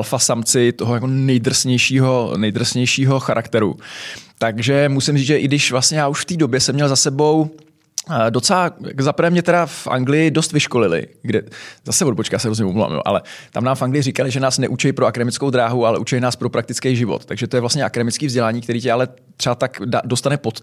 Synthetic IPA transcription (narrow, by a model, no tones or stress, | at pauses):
alfasamt͡sɪt̪oɦojako̞nɛjd̪r̩sɲɛjʃiːɦo̞nɛjd̪r̩sɲɛjʃiːɦo̞xaɾʔakt̪ɛɾṵt̪aɡʒɛmusɪmriːʒɛʔɪɡdɪʃvlast̪ɲɛjaːuʃft̪iːdo̞bjɛsɛmɲɛlzasɛbo̞w | do̞t͡sɛlaa̰kzapɾ̩vɛːmɲɛt̪ɛdafʔa̰ŋɡlɪjɪdo̞st̪vɪʃko̞lɪlɪ̰ɡdɛzasɛvod̚bot͡ʃkajaːsɛɾozɲɛpomlva̰ːmjo̰ːʔa̰lɛt̪a̰mnaːmfaŋɡlɪjɪɾɪkalɪʒɛnaːsnɛʔut͡ʃɛjpɾoakadɛmɪt͡skowd̪ɾaːɦualɛʔut͡ʃɛjnaːspɾo̞pɾak̚t̪ɪt͡skɛjʒɪvo̰t̪ːaɡʒɛt̪o̞jɛvlastɲɛʔakadɛmɪt͡skiːvzɟɛlaːɲiːkt̪ɛɾiːcɛalɛ | t̪r̥ɛbat̪akdado̞st̪anɛpot̪